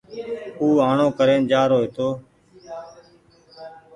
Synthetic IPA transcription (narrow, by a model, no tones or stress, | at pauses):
uːaːɳõːkəɾeːnd͡ʒaːɾoːɦeːt̪oː